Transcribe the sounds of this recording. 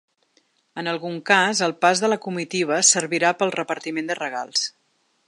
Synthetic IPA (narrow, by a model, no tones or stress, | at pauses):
ənəlˠɣuŋkazəlˠpazðələkumit̪iβ̞əsəɾβiɾapəlˠrəpəɾt̪imend̪ərəɣ̞a̰lˠs